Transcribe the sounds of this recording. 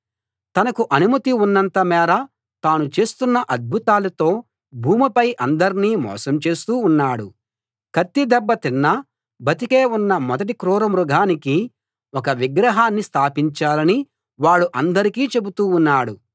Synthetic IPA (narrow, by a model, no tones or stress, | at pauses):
t̪ɐnɐkuʔɐnumɐt̪iunːɐnt̪ɐmɛːɾɐ | t̪aːnut͡ʃe̞ːst̪unːɐʔɐd̪̚bʱut̪aːlɐt̪o̞ː | bʱuːmipɐjʔɐnd̪ɐɾiniːmɔ̰ːsɐmt͡ʃe̞ːst̪uːnːaːɽu | kɐt̪ːid̪ɛbːɐt̪inːɐ | bʱɐt̪ike̞ːunːɐmɔd̪ɐʈ̬ikɾuːɾɐmɾuɡʱaːniki | ɔkɐʋiɡɾɐɦaːnːist̪ʰaːpiɲt͡ʃaːlɐni | ʋaːɭːuʔɐnd̪ɐɾikiːt͡ʃe̞but̪uːnːaːɽu